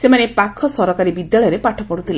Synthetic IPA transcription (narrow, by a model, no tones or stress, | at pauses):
semanepakʰːɔsɔɾɔkaɾibid̪jaɭɔjɔɾepaʈʰɔpɔɽut̪ʰile